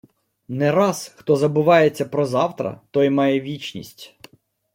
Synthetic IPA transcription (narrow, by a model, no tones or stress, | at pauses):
nɛɾɑsxt̪ɔzɐbʊʋɑjet͡sʲːɐpɾɔzɑwt̪ɾɐ̰t̪ɔjmɑjɛʋʲit͡ʃnʲḭsʲtʲ